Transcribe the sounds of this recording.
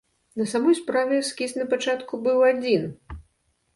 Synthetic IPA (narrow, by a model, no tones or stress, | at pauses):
nɐsamɔjspɾavʲɛskʲisʲnɐpat͡ʂat̪kubɨwad͡zʲin